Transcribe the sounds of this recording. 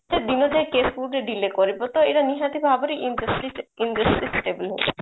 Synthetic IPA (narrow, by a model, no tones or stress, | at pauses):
d͡ʒed̪inɔd͡ʒaekesfuɖɾeɖilekɔɾibɔt̪ɔeɾaniɦãt̪ibʱabɔɾiʔsiindɾəsʈɾisʈebilɦobɔ